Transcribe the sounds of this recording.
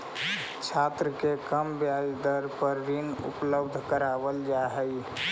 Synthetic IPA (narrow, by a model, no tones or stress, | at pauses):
t͡ʃʰat̪ɾəkekəmbjajd̪əɾpəɾːinṵpləbd̪ʱkəɾabəld͡ʒaɦɛj